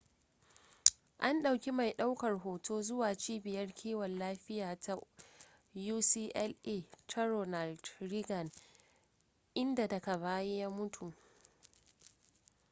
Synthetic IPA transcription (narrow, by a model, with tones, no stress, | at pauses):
ʔa˦nɗa˨wkʲi˦ma˨jɗa˦wkɐ˨rɦoː˨tʰoː˦zʊ˦waː˨t͡ʃiː˦bɪ˨jɐ˦rkʲʰiː˦wɐ˨nlaː˦ɸɪ˦jaː˨tʰa˦ | juː˦siː˦ʔɛ˦lʔe˦tʰa˦ɾo˨na˨ldɾi˦ɡɐ˨n | ʔɪ˦nda˨dɐ˨ka˨βaː˦je˦jaː˦mʊ˦tʰu˨ʔ